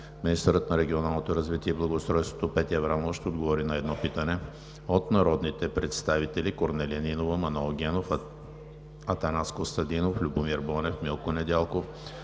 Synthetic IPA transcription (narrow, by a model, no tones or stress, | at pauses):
minist̪əɾət̪nɐɾɛɡʲionalˠnot̪oɾɐzvit̪iɛiblˠɐɡost̪ɾɔjst̪vo̥t̪opɛt̪iɛvɾamovʃt̪ɛod̪ɡovɔɾinɐɛd̪nɔpit̪ɐnɛ | ot̪nɐɾɔd̪nit̪ɛpɾɛt̪st̪avit̪ɛlikoɾnɛliɐninovəmɐnoɡʲɛnof | ɐt̪ɐnaskost̪ɐd̪inoflʲubomiɾbɔnɛfmilˠkonɛd̪ʲalˠkof